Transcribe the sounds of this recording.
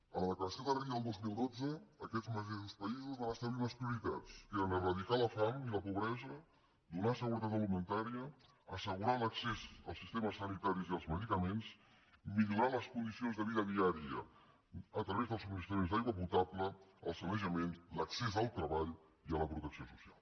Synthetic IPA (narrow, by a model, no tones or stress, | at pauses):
ələðəkləɾəsioðəriəlˠd̪ozmilˠd̪od͡zəːkɛd͡zməʒeʃuspəizuzβanəst̪əβliləspɾiuɾit̪a̰t͡seɾənərəðikaləfamiləpuβɾɛzə | d̪unasəɣuɾət̪̬at̪̬əlimənt̪aɾiə | əsəɣuɾaləksezə̰lˠsist̪eməsːənit̪aɾiziəlˠzməðikəmens | miʎuɾaləskund̪isionzðəβiðəðiaɾiə | ət̪ɾəβezðəlˠsuminist̪ɾəmenzd̪ajɣwəp̬ut̪apləəlˠsənəʒəmenləksezəlˠt̪ɾəβaʎ | iələpɾut̪əksiosusia̰lˠ